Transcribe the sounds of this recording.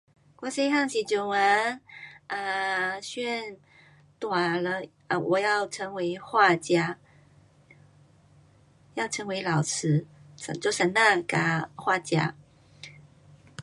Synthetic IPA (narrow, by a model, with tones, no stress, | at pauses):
kwɔ˧˥se˥ɪxɑ˥˧ŋɕi˨˩t͡ɕjo˨˩wa˧˥˦nə˧˩ɕɥɛ˥˩n | t̪wa˨˩lə˧˦ | ə˧˩wʔɔ˨˩jɑ˥˩ʊʈ͡ʂʰɤ˧˥ŋwe˧˥ɪxwa˥˩t͡ɕja˥ | jɑ˥˩ʊʈ͡ʂʰɤ˧˥ŋwe˧˥ɪlɑ˨˩ʊt͡sʰɻ̩˧˥sə̰˨˩t͡ɕjo˥˩ʂə˨˩ŋna˥˧ka˨˩xwa˥˩t͡ɕja̰˥